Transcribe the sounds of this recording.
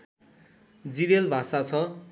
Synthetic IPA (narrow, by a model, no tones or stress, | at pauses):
d͡ziɾelbʱasat͡sʰʌ